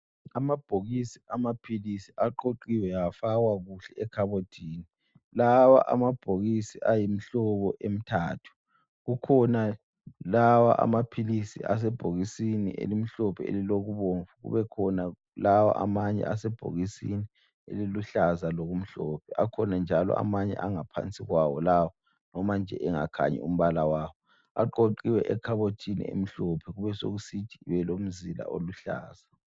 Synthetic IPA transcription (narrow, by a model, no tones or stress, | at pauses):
amab̥ʱoɣisiamapʰilisiaǃoǃiwɛjaafaɣwaɣuɬɛɛkʰaβotʰiːni | lawa̰ʔa̰mab̥ʱoɣisiʔajim̩ɬɔβɔʔem̩tʰa̰ːtʰu̥ | ɣukʰɔna | lawa̰ʔa̰mapʰilisḭʔa̰s̬ɛb̥ʱoɣisinḭʔḛlim̩ɬɔpʰɛḛliloɣuβoɱvuɣṵβɛkʰɔna | lawa̰ʔa̰maɲɛ̰asɛb̥ʱo̰ɣisḭni | ḛliluɬazaloɣum̩ɬɔpʰɛʔakʰɔnand͡ʒʱalɔ̰ʔa̰maɲɛ̰ʔaŋapʰa̰nt͡sʼiɣwawɔlawɔ | nɔmand͡ʒʱɛ̰ʔɛŋa̰kʰa̰ɲɛ̰um̩βalawaːwɔ | aǃoǃiwɛʔɛkʰaβotʰinḭḛm̩ɬɔpʰɛɣuβɛso̰ɣusid̥ʒ̥ʱiβɛlom̩zila̰ʔoluɬa̰ːz̥a